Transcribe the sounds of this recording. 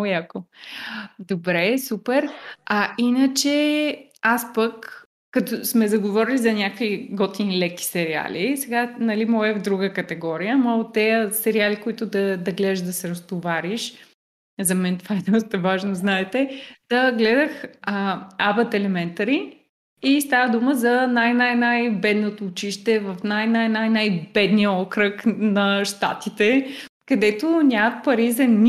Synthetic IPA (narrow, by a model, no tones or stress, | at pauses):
jako | d̪obɾɛsupɛɾɐinət͡ʃɛ | aspəkː | ɐt̪ɔsmɛzɐɡovɔɾilizɐnʲakviɡɔt̪inlɛki̥sɛɾia̰lisɛɡanɐlimɔɛvd̪ɾuɡəkɐt̪ɛɡɔɾijəmat̪ɛjəsɛɾialikoit̪ʊd̪ɐd̪ɐɡlɛʒd̪ɐsɛɾɐst̪ovaɾiʃ | zɐmɛnt̪ovaɛd̪ɔst̪ɐvaʒnoznaɛt̪ɛd̪̥ɐɡlɛd̪əx | abət̪ɛlɛmɛnt̪ɐɾi | ist̪avəd̪uməzɐnajnajnajbɛd̪not̪oːt͡ʃiʃt̪ɛvɐfnajnajnajnajbɛd̪nijəɔkɾəknɐʃt̪a̰t̪it̪ɛ | kɐd̪ɛt̪onʲamət̪̚pɐɾizɐnʲ